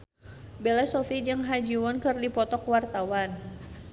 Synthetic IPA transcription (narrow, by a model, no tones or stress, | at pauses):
bɛlɛsɔfid͡ʒɨŋɦad͡ʒiwɔnkərdipɔt̪ɔkwart̪awan